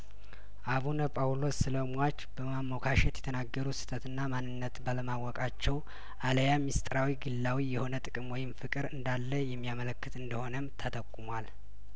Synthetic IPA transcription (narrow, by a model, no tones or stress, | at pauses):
ʔaβunəpʼawlosːɨləmwat͡ʃːb̥əmamːokʰaʃɛt̪jɛ̥t̪ʰənaɡːəɾusɨ̥t̪ʰət̪ɨnːamanːɨnːət̪baləmawɔkʼat͡ʃːɛw | ʔaləjamist̪ʼɾawiɡɨlːawijɛho̞nət̪ʼɨkʼɨmwɔjɪmfɨkʼɨɾɨnd̪alːəjɛmːijamələkːɨt̪ɨnd̪əho̞nəmt̪ʰət̪ʰəkʼːumwal